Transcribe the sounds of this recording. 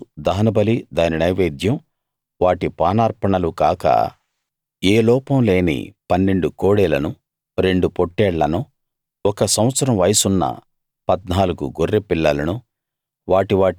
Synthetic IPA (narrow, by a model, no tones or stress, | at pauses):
d̪ɐɦɐnɐbɐlid̪aːninɐjʋeːd̪ʱjɐm | ʋaːʈipaːnaːɾpɐɳɐlukaːkɐ̰ | eːlɔːpɐmle̞ːnḭpɐnːe̞ɳɖukoːɽɛːlɐnu | ɾe̞ɳɖupoʈːɛːɽːɐnu | ɔkɐsɐm̃ʋɐt̪sɐɾɐmʋɐjɐsunːɐ̰ | pɐd̪naːluɡṵɡorːepilːɐlɐnu | ʋaːʈiʋaː